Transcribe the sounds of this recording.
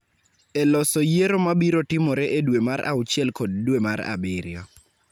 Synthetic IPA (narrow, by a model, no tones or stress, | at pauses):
ɛlɔsɔjeɾomabiɾotɪmɔɾeʔedwemaɾa̰ʊt͡ʃjɛlkɔd̚dwemaɾa̰bɪɾjɔ